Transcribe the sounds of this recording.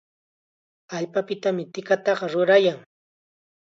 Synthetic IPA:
aʎpapɪt̪amɪt̪ɪkat̪ɑɢɑɾʊɾajaŋ

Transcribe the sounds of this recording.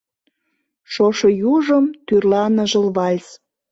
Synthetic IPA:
ʃoʃojuʒəmt̪yrlɑnəʒə̆lβɑlʲs

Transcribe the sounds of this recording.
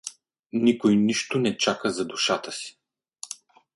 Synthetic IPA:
nikojniʃt̪ʊnɛt͡ʃakəzɐd̪uʃat̪əsi̥

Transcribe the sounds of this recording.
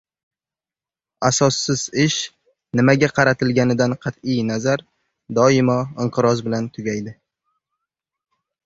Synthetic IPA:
asɒsːɪz̥ɪʃ | nɪmaɡʲaqʰɑɾat̪ʰɪlɡʲanɪd̪anqʰɑt̪ɪjnazaɾ | d̪ɒɪmɒɪɴqʰɨɾɒzbɪlant̪ʰʊɡʲajd̪ɪ

